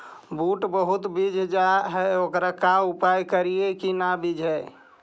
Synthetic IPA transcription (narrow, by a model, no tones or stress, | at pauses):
buʈbəɦut̪bid͡ʒʱd͡ʒaɦɛokɾakaupajkəɾiekinabid͡ʒʱɦɛ